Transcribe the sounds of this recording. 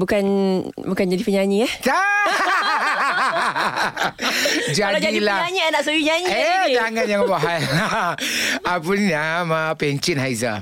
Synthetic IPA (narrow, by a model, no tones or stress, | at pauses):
bukanbukand͡ʒadipəɲãɲĩahta | d͡ʒadiilaaɲianaʔsujiɲaɲiet̪aŋanjaŋbaɦaj | apunamapɛɲt͡ʃənɦajza